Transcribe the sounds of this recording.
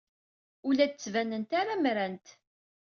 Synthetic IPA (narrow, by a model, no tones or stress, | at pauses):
ʊlæd̪ət͡sːvænənt̪aɾamɾænt̪